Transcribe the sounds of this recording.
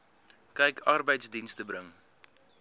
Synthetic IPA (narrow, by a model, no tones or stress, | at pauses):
kɛjkʰɐrbəjtsdinstəbɾəŋ